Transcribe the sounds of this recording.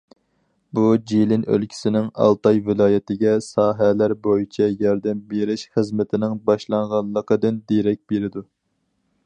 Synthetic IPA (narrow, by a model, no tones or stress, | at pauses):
bud͡ʒilɪnø̰lkʲʰi̥sɪnɪŋɑ̰lˠt̪ɑjvɪlˠɑːjɛt̪ɪɡʲɛsɑːɦɛlæɾbojit͡ʃʰɛjɑɾd̪ɛmbeɾɪʃχəzmɪt̪ʰɪnɪŋbɑʃlˠɑŋʁɑnlˠːəqəd̪ɨnd̪eɾɛk̚ʲbeɾɪd̪u